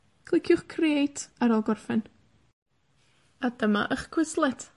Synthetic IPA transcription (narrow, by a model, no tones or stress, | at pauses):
kʰlˠɪkʰjʊχkʰriejtʰaɾɔlˠɡɔrfɛn | adəma̰ʔəχkʰw̥ɪslˠɛtʰ